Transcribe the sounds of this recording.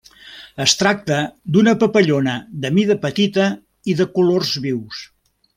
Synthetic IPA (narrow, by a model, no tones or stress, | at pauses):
əst̪ɾak̚t̪əd̪unəpəpəʎonəðəmiðəpət̪it̪ə | iðəkulorzβiws